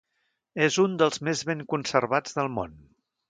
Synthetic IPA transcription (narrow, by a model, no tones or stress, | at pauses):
ezund̪əlˠzmezβeŋkunsərβad͡zðəlˠmo̰n